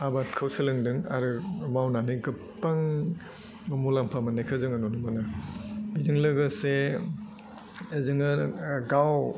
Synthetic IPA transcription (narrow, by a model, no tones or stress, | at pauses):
abat̚kʰɯwsɯlɯŋdɯŋa̰ɾɯmawnanɯɡɯpːaŋ | mulampʰamanajkʰɯzɯŋanɔnumanabizɯŋlɯɡɯse | zɯŋɯɡaw